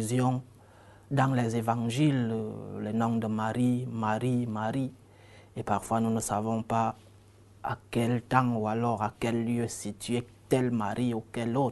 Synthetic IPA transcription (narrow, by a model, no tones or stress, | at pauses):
zjɔ̃ | d̪ɑ̃lɛzevɑ̃ʒillɛnɔ̃d̪əmaʁimaʁimaʁi | epaʁfwanunəsavɔ̃pa | a̰kɛlt̪ɑ̃ualɔʁakɛlːjøsit̪ye | kɛlmaʁiukɛlot̪